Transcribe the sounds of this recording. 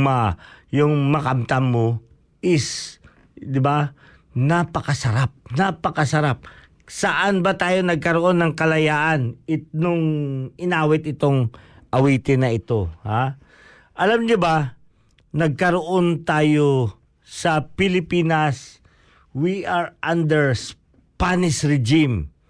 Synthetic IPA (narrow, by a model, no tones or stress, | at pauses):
majʊŋmɐkɐmt̪ɐmːo | ʔɪs | d̪ɪba | napɐkɐsɐɾap̚napɐkɐsɐɾap̚ | sɐʔanbɐt̪aːjo̞nɐɡ̚kɐɾoʔo̞nːɐŋkɐlɐjaːʔɐnɪt̪̚nʊŋɪnaːwɪt̪ɪt̪o̞ŋʔɐwiːt̪ɪnɐɪt̪o̞ha | ʔɐlamɲoba | nɐɡ̚kɐɾoʔo̞nt̪aːjo̞ | sɐpɪlɪpiːnɐs | wiʔaɹʔand̪ɛɹs | panɪʃɾɛd͡ʒim